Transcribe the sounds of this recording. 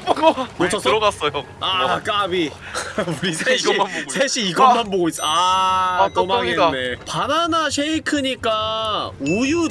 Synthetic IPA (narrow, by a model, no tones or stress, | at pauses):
kɯt͡ɕʰos͈ɡas͈ʌjoak͈abi | uɾisʰeɕiasʰeɕʰiːɡʌmanboɡois͈ʌa | k͈omaŋenepananaɕʰeikʰɯɲik͈a | uju